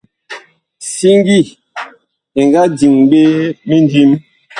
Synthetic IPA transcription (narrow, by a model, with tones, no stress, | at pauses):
si˦ŋ˦ɡi˦˨ | e˨ŋ˨ɡa˦di˨ŋɓe˦mi˦ndi˦m